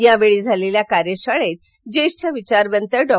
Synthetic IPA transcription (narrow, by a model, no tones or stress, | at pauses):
jãʋeɭiːd͡zʱaleljakaɾjəɕaɭet̪̚ | d͡ʑeɕt͡ɕʰaʋit͡ɕaɾʋənt̪əɾɖɔ